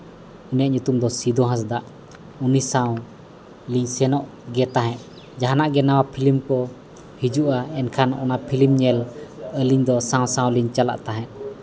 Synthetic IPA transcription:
unijaʔɲut̪umd̪ɔsid̪ɔɦãs̬d̪aʔ | unisaw̃ | liɲsɛnɔʔ | ɡɛt̪aɦɛ̃ʔ̪ | d͡ʒaɦanaʔɡɛnawapʰilimkɔ | hid͡ʒuʔaɛnkʰanɔnapʰilimɲɛləliɲd̪ɔsãw̃sãw̃liɲt͡ʃala̰ʔt̪aɦɛ̃ʔ̪̚

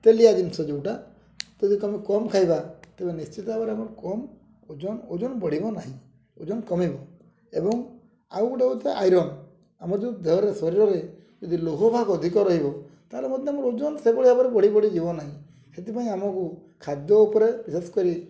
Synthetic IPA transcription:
t̪eliad̪insɔd͡ʒuwʈa | d͡ʒɔd̪ikɔmikɔmkʰajbat̪ebenist͡ʃit̪ɔabaɾeamɔɾkɔm | od͡ʒɔnod͡ʒɔnbɔɽ̤ibɔnaɦĩ | od͡ʒɔnkɔmibɔ | ebɔŋ | a̰wkuʈeut̪aʔa̰jɾɔn | amɔɾd͡ʒɔd̪ʱeɾesɔɾiɾɔɾe | d͡ʒɔd̪ʱiloɦɔbʱakɔd̪ʱikɔɾɔɦibɔ | t̪aɦlemɔd̪ʱjamɔɾod͡ʒɔnɔsebɔɽ̤iabɔɾebɔɽibɔɽid͡ʒibɔnaɦĩ | set̪ipaĩamɔku | kʰad̪jɔupɔɾebisesɔ̥kɔɾi

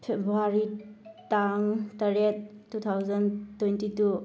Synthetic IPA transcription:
pʰebʱɾuaɾitaŋtɐɾet̚ːut̪ʰawzɐntwentitu

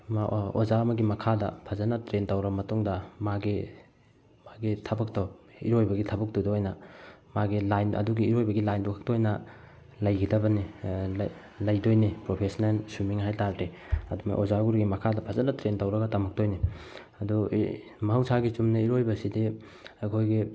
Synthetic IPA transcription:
maozamɐɡimɐkʰadɐ̰pʰazɐnɐtɾentɐwɾɐbɐmɐtuŋdɐmaɡi | maɡitʰɐbɐk̚to | iɾojbɐɡitʰɐbɐk̚todoojnɐmaɡilajnɐ̰duɡiːɾojbɐɡilajndukʰḁk̚toojnɐ | lɐjkʰidɐbɐnil | lɐjdojnipɾopʰesnelsumiŋɦajtaɾdɾiɐdumɐ̰ʔozaɡuɾiɡimɐkʰadɐpʰazɐnɐtɾentɐwɾɐɡɐtɐmɐk̚tojni | ɐdu | mɐɦɐwsaɡit͡ʃumnɐiɾojbɐsidi | ajkʰojɡi

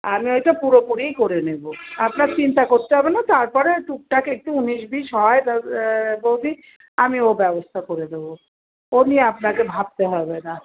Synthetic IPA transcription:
amiojʈapuɾopuɾijkoɾeneboapnaɾt͡ɕint̪akoɾt̪eɦɔbenat̪aɾpɔɾeʈuk̚ʈakek̚ʈuuniʃbiʃɦɔet̪abowd̪ʱi | amiobɛbost̪ʰakoɾed̪ebo | onieapnakebʱab̚t̪eɦɔbena

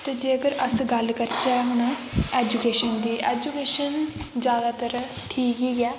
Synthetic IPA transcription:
t̪eːd͡ʒeːəɡəɾəsɡəlkəɾt͡ʃaːɦʊɳ̃ãːɛːd͡ʒukeːʃənd̪iːʔɛːd͡ʒukeːʃənd͡ʒjaːd̪aːt̪əɾã | ʈʰiːkiːkɛː

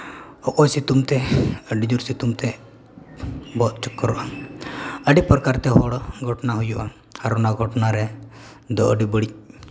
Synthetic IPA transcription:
ɔkɔjsit̪umt̪ɛəɖid͡ʒuɾsit̪umt̪ɛ | bɔt̪̚t͡ʃɔkːɔɾɔʔa | əɖipɔɾkaɾt̪ɛɦɔɽɡʱɔʈnaɦujuʔa | haɾunaɡʱɔʈnaɾɛ | d̪ɔʔəɖibəɽic̚

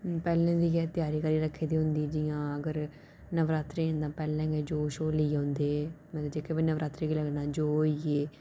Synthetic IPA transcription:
pɛːlẽːd̪iːjɛːt̪ɪjaːɾiːkəɾiːɾəkʰːeːd̪iːɦʊnd̪iːd͡ʒɪjãːəɡəɾ | nəʋɾaːt̪ɾẽːnd̪ãːpɛːlɛ̃ːɡeːd͡ʒoːʃoːliːɦõnd̪eːmɛəd͡ʒeːkʰeːbiːnəʋɾʔaːt̪ɾeːɡiːləɡnaːd͡ʒoːiːeː

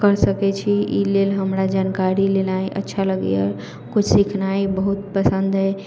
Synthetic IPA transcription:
kəɾsəkɛt͡ʃʰiḭlelɦəmɾad͡ʒankaɾilelajʔə̰tːʃʰaləɡ̰jə̰ | kut͡ʃʰsikʰnajbəɦut̪pəsənd̪ʱɦɛ

